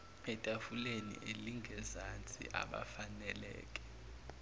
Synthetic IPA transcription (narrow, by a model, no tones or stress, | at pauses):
ɛtʼafulenḭʔeliŋʱɛzant͡sʼḭʔa̰ɓa̰fanɛlɛ̰ːkʼɛ̥